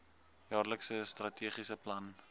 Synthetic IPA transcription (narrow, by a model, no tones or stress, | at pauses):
jɑːrləksəstrɐtʰiːχisəplɐn